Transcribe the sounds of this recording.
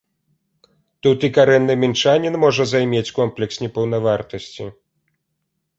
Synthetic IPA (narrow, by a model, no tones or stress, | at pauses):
t̪ut̪ikaɾɛnːɨmʲɛnt͡ʂanʲinmɔʐɐzajmʲet͡sʲkɔmplʲɛksnʲɛpɐwn̪ɐvart̪ɐsʲt͡sʲi